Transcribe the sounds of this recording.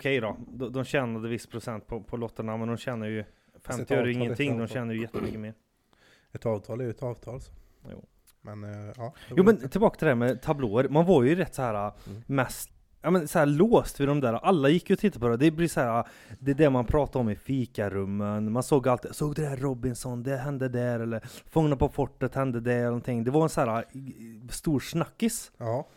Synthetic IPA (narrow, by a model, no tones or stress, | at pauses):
kʰɛjd̪ɔd̪ɔd̪ɔmɕɛːnad̪əvɪsːpʰɾʊsɛnt̪̚pʰɔpʰɔlɔt̪ːəɳamɛnd̪ɔmɕɛnːəɾjɵ | fɛmt̪ɪjœːɾjəɪŋːənt̪ʰɪŋːd̪ɔmɕɛnːəɾjəjɛt̪ːəmʏ̰kːəmeːɾ | ɛt̪ɑːvt̪ʰɑːlɛjɛt̪ɑːvt̪ʰɑːls | jṵː | mɛnːjuːmɛnt̪ʰɪbɑːkat̪ʰɪɛhæɾmɛt̪ʰabloːəɾmanvaɾjɵɾɛt̪ːsɔhæːɾamɛst̪ | jɑːmɛnsɔhæːɾloːst̪vɪd̪ɔmd̪æːɾaʔalːajɪkːjɔt̪ʰɪt̪ːapʰɔd̪ɛd̪ɛblɪshæːɾad̪ɛd̪ɛmanpʰɾɑːt̪aɔmɪfiːkaɾɵmːənmansoːɡjalt̪ːsoːɡd̪ɛd̪æɾːɔbɪnsɔnd̪ɛɦɛnd̪əd̪æɾɛlːəɾfɵŋnapʰɔfɔʈːət̪hɛnd̪əd̪ɛlɛnɔnt̪ʰɪŋːd̪ɛvaɾɛnsæːɾa | st̪uːɾʂnakːɪs